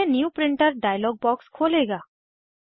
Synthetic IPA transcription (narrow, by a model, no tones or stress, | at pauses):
enjuːpɾɪ̃ɳʈəɾɖaːjəlɔːɡ̚bɔːkskʰoːleːɡaː